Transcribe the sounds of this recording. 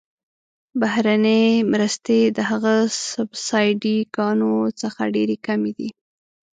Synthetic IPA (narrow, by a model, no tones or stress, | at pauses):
bahɾanəjmɾəst̪ed̪əɦaɣasʊbsɑjɖikɑnot͡səxa̰ɖeɾekamed̪i